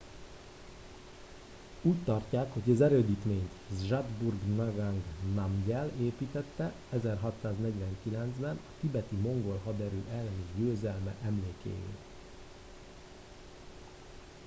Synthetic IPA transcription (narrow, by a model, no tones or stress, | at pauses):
uːct̪ɒrcaːkho̞ɟɒzɛɾøːd̪iːt̪meːɲt̪ʒad̪burɡnɑɡaŋɡnɑmɟɛleːpiːt̪ɛt̪ːɛ | ɛzɛrɦɒt̪saːznɛɟʋɛŋkilɛnzbɛnɒkibɛt̪imo̞ŋɡo̞lɦɒd̪ɛɾø̰ːʔɛlːɛneʒɟøːzɛlmɛʔɛmleːkḛːjḛːl